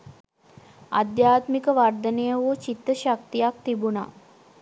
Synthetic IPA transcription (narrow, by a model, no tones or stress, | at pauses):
ad̪jaːt̪mikəʋard̪ənejəʋuːt͡ʃit̪ːəʃak̚t̪ijak̚t̪ibuna̰